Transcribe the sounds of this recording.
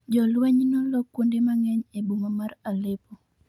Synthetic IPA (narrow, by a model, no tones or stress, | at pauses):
d͡ʒɔlwɛɲnɔlɔkwondemaŋɛɲebumamaralepɔ